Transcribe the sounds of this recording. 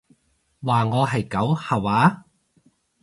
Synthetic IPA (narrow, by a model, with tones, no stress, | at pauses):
waː˨˩ŋɔː˨˧ɦɐ˨jkɐ˨˥whɐ˨˩waː˨˥